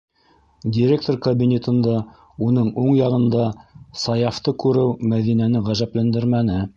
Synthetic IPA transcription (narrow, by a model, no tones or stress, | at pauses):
dʲiɾʲek̚t̪orkɐbʲinʲet̪ɤ̆nd̪ɑ | unɤɴuɴjɑʁɤ̆nd̪ɑsɑjɑft̪ɤkʉɾɘwmæðinænɘʁæʒæplænd̪ɘɾmænɘ